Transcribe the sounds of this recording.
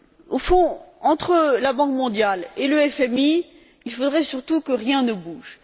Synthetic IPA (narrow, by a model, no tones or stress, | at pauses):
ofɔ̃ɑ̃t̪χəlabɑ̃kmɔ̃d̪jaleləɛfɛmi | ilfod̪ʁɛsyʁt̪ukəʁjɛ̃nəbuʒ